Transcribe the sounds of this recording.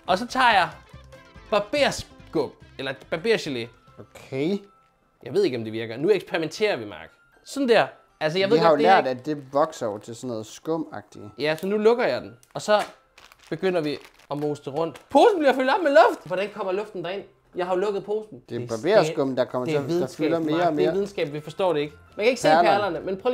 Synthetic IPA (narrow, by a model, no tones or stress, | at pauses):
ʔɒ̽sɒ̽t͡sʰɑ̰̈ːjɑ̈ɪ | b̥ɑ̈b̥e̝̰ɐsɡ̥ɔmelɐb̥æ̈b̥e̝ɐɕele̝ | okʰe | jɑ̈ɪe̝ð̞̰ˠe̝ɡ̥ɒ̽md̥e̝ʋiɐɡ̥ɐnueɡ̥sb̥peʁiment͡sʰe̝̰ːɐʋimɑ̈ːɡ̥ | sɒ̽d̥n̩d̥æɐ̰ | ʔæls̬əjɑ̈ɪʋeðɦˠɑ̈jolæɐ̰d̥æd̥e̝ʋɒɡ̥sɐɒʊɐt͡sʰe̝lsɔnːɔ̽ːð̩ˠsɡ̥ɔ̽m̰ɑ̰̈ɡ̥̚d̥ijæsɒ̽nulɔ̽ɡ̥ɐjɑ̈ɪd̥en̩ | ɒ̽sɒ̽ | b̥e̝ɡ̥øn̰ɐʋi | ɒ̽mosd̥əʁɔ̽n̰d̥pʰo̝ːsn̩b̥liɐfyld̥ɒ̽b̥̚melɔ̽fd̥ʋɒɾ̥ænkʰɒ̽m̰ɐlɔ̽fd̥n̩d̥ɑ̈e̝n̰ | jɑ̈ɪhɑ̈jo̝lɔ̽ɡ̥ð̩ˠpʰo̝ːsn̩d̥eb̥ɑbeːɐsɡ̥ɔ̽mn̩d̥ɑ̈kʰɒ̽m̰ɐet͡seiðˠdɑsfylɐme̝ːɐmeːʋiðˠn̩sɡ̥ɛ̰ːb̥ʋifɒ̽sd̥ɒ̰ːɾ̥e̝e̝ɡ̥mænkæe̝ɡ̥əsæ̰ɐlpʰɐlɐnəmenpʰː